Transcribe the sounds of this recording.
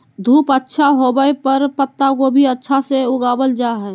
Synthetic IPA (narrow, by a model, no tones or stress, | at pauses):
d̪ʱuːpətːʃʰaɦobəepəɾpət̪ːakobʱiətːʃʰaseʊɡaːbəld͡ʒaːɦɛː